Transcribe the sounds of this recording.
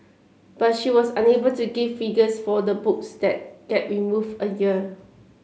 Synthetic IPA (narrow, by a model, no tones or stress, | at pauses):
b̥at̚ʃiwɔsãnebəltuɡivːiɡəsfɔdəbʊk̚sdɛt̚ɡ̥ɛt̚ɹimuvəjiə